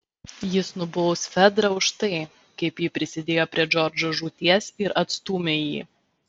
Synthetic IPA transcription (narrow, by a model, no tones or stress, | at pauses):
jɪsnʊbɔˑʊsfʲɛd̪ɾɐʊʃt̪ɐɪ | kɐɪpjiːpʲɾʲɪsʲɪd̪ʲeːjoːpʲɾʲiɛd͡ʒɔɾd͡ʒɔʒuːt̪ʲiɛsɪɾʔɐt̪st̪uːmʲejḭː